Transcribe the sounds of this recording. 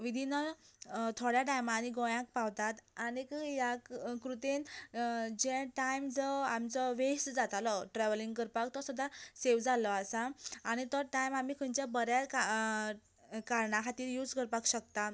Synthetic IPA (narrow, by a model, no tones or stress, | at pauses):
ʋid̪ʱinɔt̪ʰoɽjaʈajmaɽiɡɔ̃jãk̚paʋt̪at̪anikjakkɾut̪en | d͡ʑẽʈajmd͡zɔamt͡sɔʋeɕtd͡zat̪alɔʈɾɛʋliŋɡkəɾpak̚t̪ɔsud̪ʱːaseʋd͡zalɔasaaɽ̃it̪əʈajmam̤ikʰənt͡ɕabəɾjak | kaɾɳakʰat̪iːɾjud͡zkəɾpakɕək̚t̪a